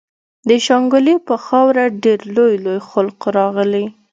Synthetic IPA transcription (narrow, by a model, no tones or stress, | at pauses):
d̪əʃɑŋɡʊlipəxɑwɾaɖeɾlojlojxʊlqɾɑɣəli